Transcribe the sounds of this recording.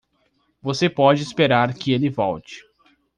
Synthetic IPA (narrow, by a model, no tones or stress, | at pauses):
vosepɔd͡ʒɪispeɾaɾkɪelɪvɔwt͡ʃɪ̥